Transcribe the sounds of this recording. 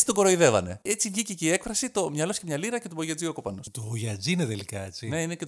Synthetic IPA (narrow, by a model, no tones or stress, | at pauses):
t͡si̥t̪oɡo̞ɾoiðe̞vɐne̞̰et͡sivʝiceceie̞kfɾɐsit̪o̞mɲɐlo̞scemɲɐliɾɐce̞t̪uboʝɐd͡ziokopɐnost̪ooʝɐd͡zineðelikɐet͡sineinece